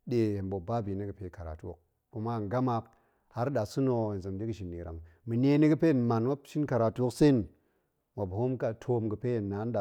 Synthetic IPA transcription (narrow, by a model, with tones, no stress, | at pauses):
ɗe˨he˨nɓo˨ba˦bi˨ne˦ɡɨ˨pe˨˦ka˨ɾa̰˨tu˦o̰˦k̚ | ku˨ma˦˨ɡa˦ma˧k | ha˦ɾɗa˨su˦no˨n˨zə˨mdi˦kɨ˨ʃi˨nːḭ˨ɾa̰˨ŋmi˨ne˦ne˦ɡɨ˦pe˦˨nma˨nwa˦ʃi˦nka˨ɾa˨tu˦o˦kse˦n | wʷa˨bho˦mka˨tʰo˦mɡə˨pe˦jnːa˨˦n˦ɗa˨